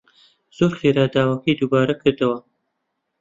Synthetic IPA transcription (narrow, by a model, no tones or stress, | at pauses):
z̥oːɾχiːɾaːd̪aːwɐkʰɐjd̪ubaːɾɐkʰɨɾd̪ɐwɐ